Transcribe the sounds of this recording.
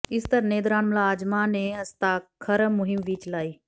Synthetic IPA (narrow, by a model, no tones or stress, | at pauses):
ɪst̪ɐɾneːd̪ɾaːnmlaːd͡ʒmaːnẽːɐst̪aːkʰɐɾmʊɦɪmʋiːt͡ʃlaːiː